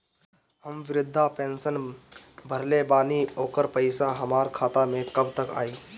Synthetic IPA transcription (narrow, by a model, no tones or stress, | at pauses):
həmʋɪɾɪd̪ʱːapẽːnsənbʱəɾlebaːnioːkəɾpəɪsãɦəmaːɾkʰaːt̪amẽkəb̚t̪əka̰ːiː